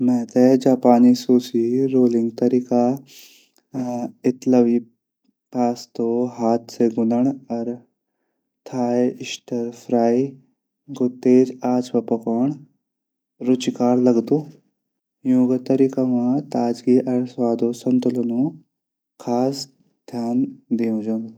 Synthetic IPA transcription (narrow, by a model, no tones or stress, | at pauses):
mɛ̃ːt̪ed͡ʒaːpaːnisuːsiɾoːlĩŋɡt̪ɐɾika | ɪt̪lɐʋi | paːst̪oɦaːt̪seɡʊnəɳɐɾ | t̪ʰaːjɪʃʈʰəɾfʰɾaːi | ɡut̪ːeːd͡ʑaːt͡sʋɐpɐkoɳ | ɾut͡ʃikaːɾlɐɡt̪u | juɡt̪ɐɾiːkamãt̪aːd͡ʒɡiʔɐɾsʋaːd̪ʱosɐnt̪ulonũ | kʰaːs | d̪ʱjaːnd̪iũd͡ʒɐn